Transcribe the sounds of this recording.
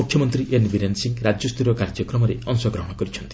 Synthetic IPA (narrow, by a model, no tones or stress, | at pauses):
mukʰːjɔmɔnt̪ɾiʔenbiɾensiŋɡɾad͡ʒjɔst̪uɾɔkaɾd͡ʒɔkɾɔmɔɾeɔŋsɔɡɾɔɦɔɽ̃ɔkɔɾit͡ʃʰʌnt̪i̥